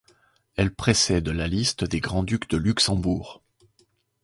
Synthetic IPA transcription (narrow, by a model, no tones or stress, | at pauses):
ɛlpχesɛd̪lalist̪d̪eɡʁɑ̃d̪ykd̪əlyksɑ̃buːʁ